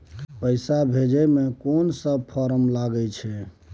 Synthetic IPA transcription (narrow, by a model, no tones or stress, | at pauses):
pəjsabʱed͡ʒɛmekonsəbpʰɔɾəmlaɡət͡ʃʰɛ